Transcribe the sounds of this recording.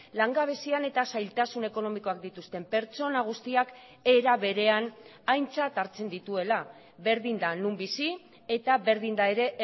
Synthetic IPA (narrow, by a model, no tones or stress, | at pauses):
laŋɡaβ̞e̞siane̞t̪asajlt̪asune̞ko̞no̞miko̞ak̚d̪it̪ust̪e̞mpe̞ɾt͡so̞naɣ̞ust̪iak | e̞ɾaβe̞ɾe̞an | ajnt͡sat̪aɾt͡se̞nd̪it̪ue̞la | βe̞ɾðind̪anumbisi | e̞t̪aβe̞ɾðind̪aeɾe̞ʔ